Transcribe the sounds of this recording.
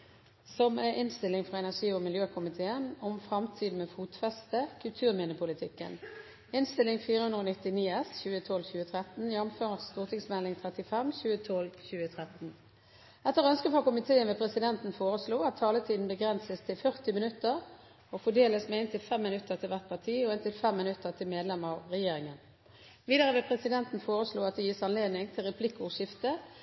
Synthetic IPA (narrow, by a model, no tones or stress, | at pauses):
sɔməʔɪnst̪ɪlɪŋfʁɑːɛnæʁʂiːɔmɪljøːkʰʊmɪt̪ʰeːənɔmfʁɑmt̪ʰiːd̪n̩meːfuːt̪fɛst̪əkʰʉlt̪ʰʉːʁmɪnəpʰʊlɪt̪ʰɪkːə̰n | ɪnst̪ɪlɪŋfiːʁəhʉnd̪ʁoːnɪt̪ɪniːɛsçʉːət̪ʰɔlçʉːət̪ʰʁɛt̪n̩jɛnmføːʁəsst̪uːʁt̪ʰɪŋsmɛlːɪŋt̪ʰʁɛt̪ɪfɛmçʉːət̪ʰɔlçʉːət̪ʰʁɛt̪n̩ | ʔɛt̪ːəʁœnskəfɑkʊmɪt̪ʰeːənʋepʰʁɛsɪd̪ɛnt̪n̩foːʁəsluːɑt̪ʰːɑːlət̪ʰiːd̪n̩bəɡʁɛnsəst̪ʰɪlfœʁt̪ɪmɪnʉt̪ːəʁ | ɔfɔɖeːləsmeːɪnt̪ʰɪlfɛmːɪnʉt̪ːəʁt̪ʰɪlʋæʁt̪̚pʰɑʁt̪ʰiːɔɪnt̪ɪlfɛmːɪnʉt̪ːəʁt̪ʰɪlmeːd̪lɛmɑʋʁɛjeːʁɪŋən | ʋiːd̪əʁəʋɪlpʰʁɛsɪd̪ɛnt̪n̩foːʁəsluːɑt̪̚d̪ɛjiːsɑnleːd̪nɪŋt̪ʰɪlʁɛpʰlɪkːʊʂɪft̪ə